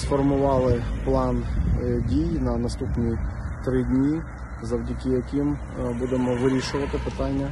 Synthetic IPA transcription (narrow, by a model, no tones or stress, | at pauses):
sfɔrmʊʋɑlˠɪplˠɑndʲijnɐnɐst̪upnʲit̪ɾɪdʲnʲi | zɐwdʲɐkɪjɐkɪm | bud̪emɔʋɪɾʲiʃʊʋɐt̪ɪpɪt̪ɑnʲːɐ